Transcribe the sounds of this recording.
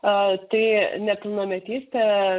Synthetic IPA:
t̪ɐɪnʲɛpʲɪlˠnomʲɛt̪ʲiːsʲt̪ʲɛ

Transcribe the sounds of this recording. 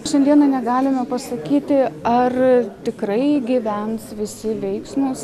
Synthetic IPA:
ʃʲɛnd̪ʲiɛnɐnʲɛɡɑːlʲɪmʲɛpɐsɐkʲiːt̪ʲɪɐrt̪ʲɪkɾɐɪɡʲiʋʲɛnsʋʲɪsʲɪʋʲɛɪksmʊs

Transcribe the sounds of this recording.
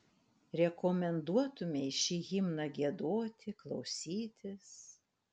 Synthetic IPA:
ɾʲɛkɔmʲɛnd̪uɔt̪ʊmʲɛɪʃʲiːɣʲɪmnɐɡʲiɛd̪oːt̪ʲɪklˠɒʊsʲiːt̪ʲɪs

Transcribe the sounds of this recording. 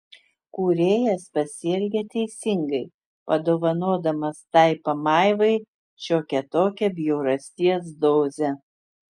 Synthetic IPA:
kuːɾʲeːjɛspɐsʲɪɛlʲɡʲɛt̪ʲɛɪsʲɪŋɡɐɪ | pɐd̪oːʋɐnoːd̪ɐmɐst̪ɐɪpɐmɑˑɪʋɐɪ | ʃʲoːkʲɛt̪oːkʲɛbʲjɛʊɾɐsʲt̪ʲiɛs̬d̪oːzʲɛ

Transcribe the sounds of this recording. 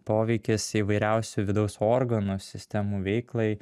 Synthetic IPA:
poːʋʲɛɪkʲɪsiːʋɐɪɾʲæˑʊsʲuʋʲɪd̪ɐʊsoːɾɡɐnusʲɪsʲt̪ʲɛmuːʋʲɛɪklˠɐɪ

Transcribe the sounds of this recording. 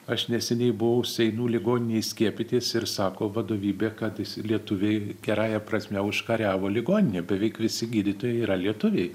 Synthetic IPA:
ɐʃnʲɛsʲɛnʲɛɪbʊʋɐʊsʲɛɪnuːlʲɪɡoːnʲɪnʲeɪsʲkʲiɛpʲɪt̪ʲiːsɪɾsɑːkoːʋɐd̪oːʋʲiːbʲeːkɐt̪lʲiɛt̪ʊʋʲeɪɡʲɛɾɑːjɛpɾrɐsʲmʲɛʊʃkɐɾʲæːʋoːlʲɪɡoːnʲɪnʲeːbʲɛʋʲɛɪkʋʲɪsʲɪɡʲiːd̪ʲɪt̪oːjɛɪiːɾɐlʲiɛt̪ʊʋʲɛɪ

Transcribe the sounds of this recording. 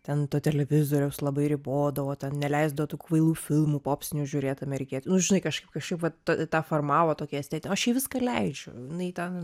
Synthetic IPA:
t̪ʲɛnt̪oːt̪ʲɛlʲɛʋʲɪzoːɾʲɛʊslˠɐbɐɪɾʲɪboːd̪ɐʋoːt̪ʲɛnnʲɛlʲɛɪzd̪ɐʋoːt̪uːkuʋɐɪlˠuːfʲɪlˠmuːpoːpʲsʲtʲɪnʲuʒʲʊɾʲeːd̪ɐmʲɛɾʲɛɪkʲeːt̪ʲnʊʒʲɪnɐɪkɐʃkɐɪpkɐʃkɐɪpʋɐtɐt̪ɑːformɑːʋoːt̪oːkʲiɛsʲt̪ʲæːt̪ʲnʲɐʃjɛɪʋʲɪskɐlʲɛɪd͡ʒʲʊ̰ɪnɐɪt̪ʲɛn

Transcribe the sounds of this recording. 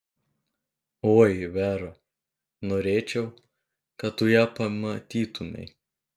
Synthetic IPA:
oːjʋʲæːɾɐ | noːɾʲeːt͡ʃʲɛʊ | kɐt̪t̪ʊjæːpɐmɐt̪ʲiːt̪ʊmʲɛ̰ɪ

